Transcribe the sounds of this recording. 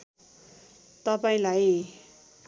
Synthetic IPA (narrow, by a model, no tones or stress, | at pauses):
t̪ʌpaĩlaj